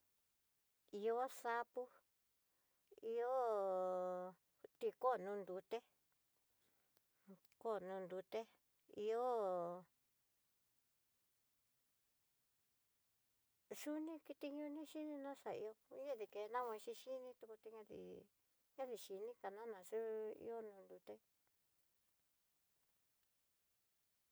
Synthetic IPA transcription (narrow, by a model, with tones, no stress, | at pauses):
i˧o˦sa˧pu˦ | i˧o˦ | t̪i˧ko˦˨nũː˧nd̪u˧t̪e˦ | ko˦˨nũ˧nd̪u˧t̪e˦ | ḭ˧o˦ | ʂu˦nĩ˦ki˧t̪i˧ɲũ˧nĩ˦ʃi˦nĩ˧nã˦ʂa˨ḭ˧o˧˦ɲã˦ði˧ke˧˨˧nã˦wẽ˧ʃi˧ʃi˦nĩ˦t̪u˧ku˧t̪i˧ɲã˧ðḭ˧ | ɲã˦ði˨ʃi˧nĩ˦ka˨nã˦nã˨ʂu˦ḭ˧˦o˦nũː˧nd̪u˧t̪e˦